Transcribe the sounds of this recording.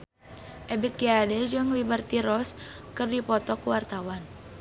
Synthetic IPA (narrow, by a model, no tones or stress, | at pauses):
ʔɛbit̪̚kiadɛd͡ʒɨŋlibərt̪iɾɔskɨrdipɔt̪ɔkuwart̪awan